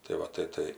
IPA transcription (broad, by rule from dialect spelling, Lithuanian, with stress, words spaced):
tɐɪ ˈʋɐ tɐɪ ˈtɐɪ